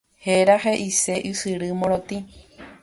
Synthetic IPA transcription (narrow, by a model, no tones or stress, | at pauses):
heɾaɦeʔise̞ʔɨsɨɾɨmõɾ̃õt̪ĩ